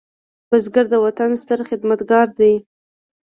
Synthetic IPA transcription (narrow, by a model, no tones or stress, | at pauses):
bazɡaɾd̪əwat̪anst̪əɾχɪd̪mat̪ɡɑɾd̪aj